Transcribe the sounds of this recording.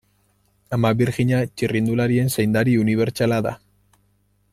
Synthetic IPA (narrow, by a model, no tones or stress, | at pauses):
amaβiɾɣiɲat͡ʃirind̪ulaɾie̞nsejnd̪aɾiuniβ̞e̞ɾt͡ʃalaða̰